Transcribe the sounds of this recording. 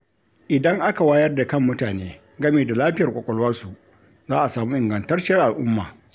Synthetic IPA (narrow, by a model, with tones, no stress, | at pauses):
ʔɪ˨dɐ˦ŋʔa˦ka˨waː˦jɐ˦rda˨kɐ˦mːʊ˦taː˨neː˦ | ɡɐ˦meː˨da˨laː˦ɸɪ˦jɐ˨rkʷɔ˨kʷʼɔ˦lwɐ˦rsu˨ | zaː˦ʔa˨saː˨muː˦ʔɪ˨ŋɡɐ˨ntɐ˦rt͡ʃɪ˦ɐ˦rʔa˨lʔʊ˦mːa̰ː˨